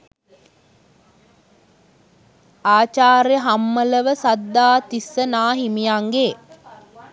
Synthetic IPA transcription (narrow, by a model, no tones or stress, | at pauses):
aːt͡ʃaːɾjəɦamːələʋəsad̪ːaːt̪isːənaːɦimijaŋɡeː